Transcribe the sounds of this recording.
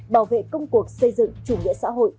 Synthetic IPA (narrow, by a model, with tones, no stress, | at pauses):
ɓaː˧˩wvḛ˧˨kə˧wŋ͡mku˨˩ək̚sə˧jzɨ̰˧˨ŋt͡ɕu˧˩ŋḭ˧˨sa̰ː˧˥ɦo̰˧˨j